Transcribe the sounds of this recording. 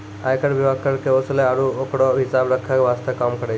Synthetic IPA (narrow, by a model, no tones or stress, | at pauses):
a̰jkəɽʋibʱaɡ̚kəɾkeosleaɾuokɽoɦisabɾəkʰːakʋast̪əkːamkəɽe